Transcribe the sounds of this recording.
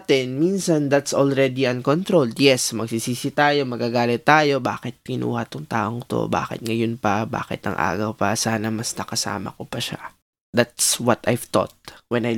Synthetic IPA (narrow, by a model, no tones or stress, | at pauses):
t̪ɛnminsɐnd̪at̪solɾɛd̪iɐnkont̪ɾold̪jɛsmɐɡsisiːsɪt̪aːjo̞mɐɡaɡaːlɪt̪ːaːjo̞baːkɪt̪̚kɪnʔṵːhɐt̪ʊŋt̪aːʔoŋt̪o̰ba̰ːkɪ̰t̪̚ŋɐjonpɐba̰ːkɪ̰t̪ɐ̰ŋʔa̰ːɡɐwpɐsaːnɐmɐsnɐkɐsa̰ːmɐ̰kopɐʃa̰ | d̪at̪swɐt̪ajvt̪o̰t̪̚wɛnaj